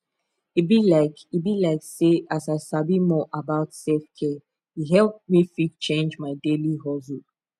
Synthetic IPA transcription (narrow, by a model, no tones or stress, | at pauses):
ibilaɪkibilaɪkseasaɪsabimɔʔabaʊtsɛlfkʰɛ | iɦɛlˠp̚mifit͡ʃẽnd͡ʒmaɪdeliɦɔzu